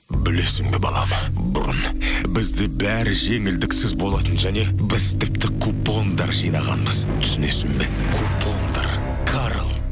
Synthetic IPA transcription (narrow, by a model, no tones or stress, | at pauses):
bɪle̞sɪŋbe̞bɑ̰lˠɑ̰mə | bʊ̰ɾʊ̰n | bɪzd̪ɪbæɾɪʒe̞ŋɪld̪ɪksɪzbo̞lˠɑt̪ənʒæne̞bɪzt̪ʰɪp̚t̪ɪkʰupːond̪ɑɾʒijnɑʁɑ̰nbəzt̪ʰʏ̥sɪne̞sɪŋbe | kʰupʰːond̪ɑ̰ɾ | kʰaɾlˠ